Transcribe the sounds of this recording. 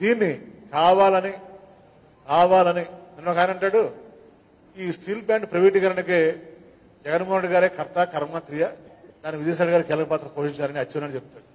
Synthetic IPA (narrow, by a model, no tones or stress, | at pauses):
d̪iːnːikaːʋaːlɐni | kaːʋaːlɐniminːoːkaːjinɐɳʈaːɽu | iːsʈʰiːlbjaːɳɖ̚pɾɐʋiːʈikɐɾɐnike | d͡ʒɛɡɐnmoɦuneɖiɡaːɾeːkʰɐɾt̪akɐɾmɐkɾijɐd̪aːniʋid͡ʒɐjs̬aːɽiɡaːɾikɛːlɐkɐpaːt̪ɾɐpoːʂiɲt͡ʃaːɾɐniɐt͡ʃːinaːnit͡ʃep̪̚t̪ːaːɽu